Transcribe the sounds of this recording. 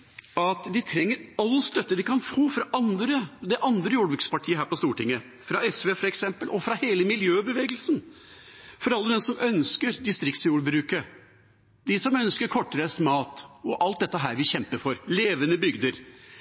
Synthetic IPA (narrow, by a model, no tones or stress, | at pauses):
ɑt̪d̪ɪt̪ʰɾɛŋːəɾɑlːəst̪œt̪ːəd̪ɪkʰɑnfoːfɾɑʔɑnd̪ɾəd̪ɛʔɑnd̪ɾəjuːɖbʉkspɑʈʰiːəɦæːɾpɔst̪uːʈɪŋːə | fɾɑɛsʋeːfɔɾɛksɛmpəlʔɔfɾɑheːləmɪljøːbəʋeːɡəlsn̩ | fɔɾɑlːəd̪ɛmsɔmʔœnskəɾd̪ɪst̪ɾɪk̚t̪sjuːɽbɾʉːkə | d̪ɪsɔmœnskəɾkʰɔʈːəɾəst̪mɑːt̪ɔʔɑlt̪̚d̪ɛt̪ːəɦæːɾʋɪçɛmpəɾfɔɾleːʋənəbʏɡd̪əɾ